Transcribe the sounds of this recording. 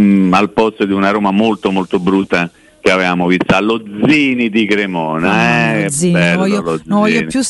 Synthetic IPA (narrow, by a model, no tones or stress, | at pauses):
alpɔst̪od̪iunaɾoːmamolt̪omolt̪obɾut̪ːa | keavevaːmovist̪aalod̪ziːnid̪ikɾemɔːnaɛɛibɛlːjolozvɔjiniju